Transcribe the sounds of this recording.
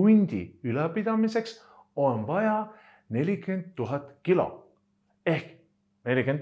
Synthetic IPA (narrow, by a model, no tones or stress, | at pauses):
unʲd̪̥ʲḭylɛpid̪̥ɑmise̞ks | o̞nvɑjɑ | ne̞lʲikend̪̚t̪ːuɦɑt̪ˑkilo̞̰ | e̞hk | ne̞lʲiken